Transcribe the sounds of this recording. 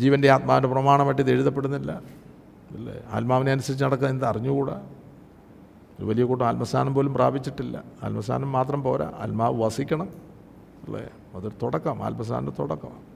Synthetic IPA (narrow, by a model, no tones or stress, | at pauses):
d͡ʑiːʋɐndeaːt̪̚maːʋindeprɐmaːɳɐmɐʈ̬ːiðeɻiðɐpːe̞ɽunːilːɐ | ḭlːḛa̰ːlmaːʋineɐnusɐɾit͡ɕːnɐɽɐkːɐinid̪ɐriɲːukuːɽɐ̰ | oɾṵʋɐlijɐkuːʈːumɐlmɐsʰaːnɐmpo̞ːlumpraːbit͡ɕːiʈːilːɐ̰a̰lmɐsʰa̰ːnɐmːaːt̪rɐmpo̞ːɾa̰ɐ̰lmaːʋɨʋɐsikʲːɐɳɐm | ḭlːḛ | ɐðuɽt̪oɽɐkːɐma̰ːlmɐsʰa̰ːnɐt̪oɽɐkːɐ̰m